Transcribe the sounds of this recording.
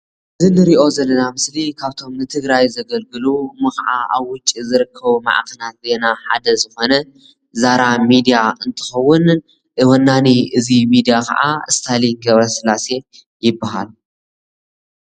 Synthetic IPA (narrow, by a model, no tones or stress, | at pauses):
ʔɨzinɨɾiʔo̞zɐlːɐnamɨslikʰaβt̪ʰo̞mnɨt̪ʰɨɡɾajzɐɡɐlɡɨlumɨxʕa̰ʔa̰βwʊt͡ʃʼizɨɾɨkʰːɐβuma̰ʕkʰɐnat̪̚ze̞naħa̰d̪ɐzɨxo̞nɐ | zaɾamid̪ijaɨnt̪ʰɨ̥xɐwːʊn | ʔɨwɐnːaniɨzimid̪ijakʰɐ̰ʔa̰ɨst̪ʰaliŋɡɐβɾɐsɨlase̞ | jɪbːaɦa̰lu